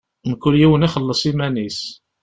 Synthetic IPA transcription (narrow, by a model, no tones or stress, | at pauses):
məkːuljiwəniχəlːəsˤimænis